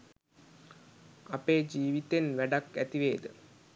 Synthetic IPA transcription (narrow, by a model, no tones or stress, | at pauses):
ɐpeːd͡ʑiːʋit̪enʋæɖɐkːæt̪iʋeːd̪ə